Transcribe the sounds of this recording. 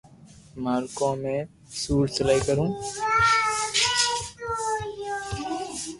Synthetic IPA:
maːɾkõːmẽː | suːɾsəlaːikəɾũː

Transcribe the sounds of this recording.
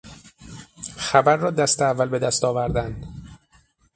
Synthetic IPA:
xæbæɾːɒːd̪æst̪eævːælbe̞d̪æst̪ɒːvæɾd̪ænd̪̥

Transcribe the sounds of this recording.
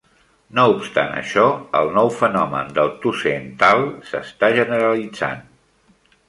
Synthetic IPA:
noupst̪a̰nə̰ʃɔəlˠnɔwfənɔmə̰nd̪əlˠt̪usent̪alˠsə̰st̪aʒənəɾəlid͡za̰n

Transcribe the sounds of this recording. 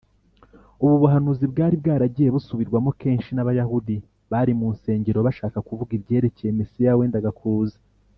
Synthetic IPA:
uβuβuɦanuzibɡaːɾib̚ɡaːɾaɟije̞βusuβiɾɡwamo̞ke̞ːnʃinaβajahudi | βaɾimuːnse̞ːɲɟe̞ɾo̞βaʃaːkakuvuɡibɟe̞ːɾeceje̞mesijaweːndaɡakuːzḁ

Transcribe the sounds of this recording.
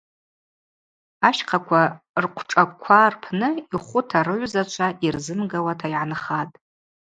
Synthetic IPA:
aʃqʰakʷʰa | rqʷʰʈ͡ʂʼakʷʰarpʰnɨiχʷʊtʰaɾɨʕʷzat͡ʃʷʰaʔirzɨmɡawatʰajʕanχatʼ

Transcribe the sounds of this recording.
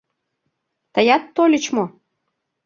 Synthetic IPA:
t̪əjɑt̪ːolʲə̆t͡ɕmo

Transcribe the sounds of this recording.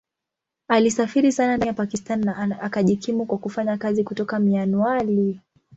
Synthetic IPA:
alisafiɾisananaapakistanːaʔakaʄikʰimukwakufaɲakazikutɔkamianuali

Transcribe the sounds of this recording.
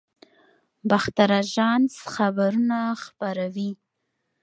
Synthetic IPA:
baxt̪aɾaʒɑnsxabaɾunaxpaɾawi

